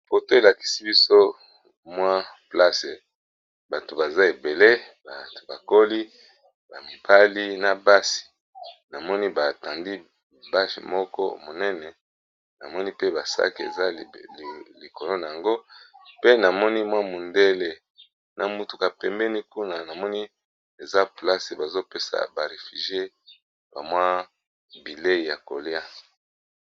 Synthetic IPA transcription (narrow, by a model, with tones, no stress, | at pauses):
fo˨to˦e˨la˨ki̥˨si˦bi˦so˦ | mwa˦pla˦se˨ | ba˨to˨ba˨za˦e˨be˨le˦ | ba˨to̥˨ba˨ko˦li˦ | ba˨mi˨bʰa˦li˦na˨ba˦si̥˨ | na˨mɔ˦ni˦ba˨tã˨ndi˦ | ba˦ʃmɔ˦kɔ̰˦mo˨nɛ˦nɛ˨ | na̰˨mɔ˦ni˦pe˦ba˨sa̰˦ki˨ḛ˨za˦˨li˨ko˨lo˦na˨ja˨ŋɡo˦pe˦na˨mɔ˦ni˦mwa˦mu˨nde˦le˨ | nʔa˨mu˨tu˨ka˨pɛ˨mbɛ˦ni˦ku˦na˨na˨mɔ˦ni˦ | e˨za˦pla˦se˨ba˨zo˦pe˦sa̰˨ba˨ʁe˨fy˨ʒe˦ | b̥a˨mwa˦ | bi˨le˦i˨ja˨ko̰˨lja˦